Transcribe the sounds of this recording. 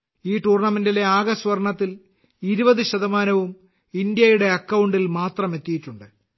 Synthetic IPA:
iːʈuːrɳɐmendile̞aːɡɐsʋɐrɳɐt̪ːil | iɾubɐðɨɕɐðɐmaːnɐʋum | ind̪jɐjuɽe̞ɐkːɐwuɳɖilmaːt̪rɐme̞t̪ːijitːuɳɖɨ

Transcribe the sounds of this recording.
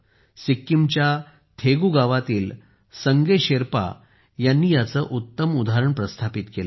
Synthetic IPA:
sikːimt͡ɕja | t̪ʰeɡuːɡaʋat̪iːl | səŋɡeɕeɾpa̰ | janːiːjat͡səːʔut̪ːəmud̪aɦɾəɳpɾəst̪ʰapit̪kel

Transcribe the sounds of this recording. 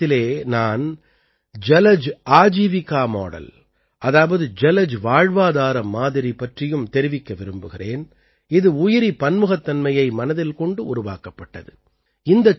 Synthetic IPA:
ɪleːnaːn | d͡ʒɛlɐd͡ʒaːd͡ʒiːʋɪkːaːmo̰ːɽɐ̰l | ʔɐðaːʋɐðɯd͡ʒɛlɐd͡ʒʋaːɻʋaːðaːɾɐmːaːðɪɾipːɐʈrɪjɯmt̪ɛɾɪʋɪkːɐʋɪɾɯmbɯɣɪreːn | ɪðɯʊjɪɾipɐnmɯɣɐt̪ːɐnmɐjɐɪmɐnɐðɪlkɔɳɖɯʊɾʊʋa̰ːkɐpːɐʈːɐ̰ðɯ | ɪnd̪ɐ

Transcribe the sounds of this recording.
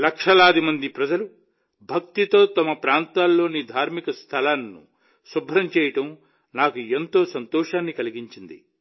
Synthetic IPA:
lɐkʂɐlaːd̪imɐnd̪ipɾɐd͡ʒɐlu | bʱɐk̚t̪it̪o̞ːt̪ɐmɐpɾaːnt̪aːlːo̞ːnid̪ʱaːɾmikɐst̪ʰɐlaːnːṵ | subʱɾɐmt͡ʃɛːjɐʈɐm | naːkue̞nt̪o̞ːsɐnt̪ɔːʂaːnːikɐliɡiɲt͡ʃind̪ḭ

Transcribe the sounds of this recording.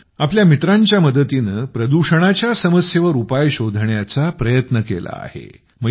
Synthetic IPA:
apljamit̪ɾãɲt͡ɕjaməd̪ət̪inəpɾəd̪uɕəɽ̃at͡ɕjasəməsjeʋəɾupajɕod̪ʱəɳjat͡sapɾəjət̪nəkḛla̰a̰hḛ | mə

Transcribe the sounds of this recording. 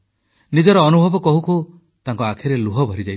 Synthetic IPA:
nid͡ʒɔɾɔːnubʱɔbɔkɔɦukʰu | t̪aŋkɔakʰeɾeluɦɔbʱɔɾid͡ʒajt̪ʰi̥

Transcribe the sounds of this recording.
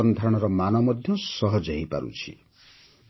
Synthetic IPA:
ɔnd̪ʱaɽ̃ɔɾɔmanɔmɔd̪ʱjɔsɔɦɔd͡ʒaɦipa̰ɾṵt͡ʃʰḭ

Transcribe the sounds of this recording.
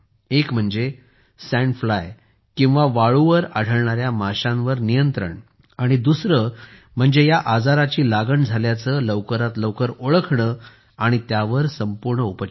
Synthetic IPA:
ekm̤əɳd͡ze | sæ̃ɳɖflaj | kĩw̃ʋaʋaɭuʋəɾa̰ɽ̤ʱəɭɳaɾjamaɕãnʋəɾnijənt̪ɾə̰ɳ | aɽ̃id̪usɾə | m̤əɳd͡zejaʔad͡zaɾat͡ɕiːlaɡəɳd͡zʱaljat͡sələʋkəɾat̪ləʋkəɾoɭəkʰɳə | aɽ̃it̪jaʋəɾsəmpuɾɳəupə

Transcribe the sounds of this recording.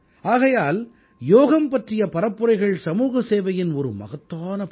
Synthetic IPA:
aːɣɐjaːl | joːɣɐmpɐʈrɪjɐpɐɾɐpːɯɾɐɪɣɐɭsɐmuːɣɐseːʋɐjɪnɔɾɯmɐ̰ɣɐt̪ːaːnɐp

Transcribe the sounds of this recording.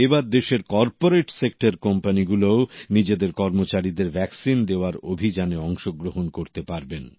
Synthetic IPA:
ebaɾd̪eʃeɾkɔɾpoɾeʈsek̚ʈaɾkɔmpaniɡuloonid͡ʑed̪eɾkɔɾmot͡ɕaɾid̪eɾbʱɛksind̪eoaɾobʱid͡ʑaneɔŋʃoɡɾoɦonkoɾt̪epaɾben

